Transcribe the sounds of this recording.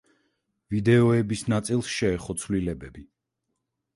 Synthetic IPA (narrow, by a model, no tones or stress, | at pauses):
vid̪ɛɔɛbisnat̪sʼilˠsʃɛːχɔt̪sʰvlilɛbɛbi